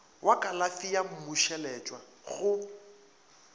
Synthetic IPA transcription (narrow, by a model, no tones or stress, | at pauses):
wakʼalafijam̩mʊʃɛlɛt͡ʃʼwa | ɣʊ